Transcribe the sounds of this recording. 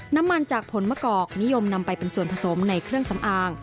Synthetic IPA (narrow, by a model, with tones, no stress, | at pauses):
na˦˥mːa˧nt͡ɕaː˨˩k̚pʰo˩˦nmɯː˥˩kɔː˨˩k̚ni˦˥jo˧mna˧mpa˧jpe˧nsu˨˩ənpʰa˧so˩˦mna˧jkʰɾɯ˥˩əŋsa˩˦mʔaː˧ŋ